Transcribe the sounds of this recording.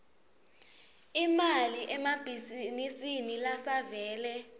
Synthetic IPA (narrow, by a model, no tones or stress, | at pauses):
imaliʔɛmab̥ʱizinisinilasavɛːlɛ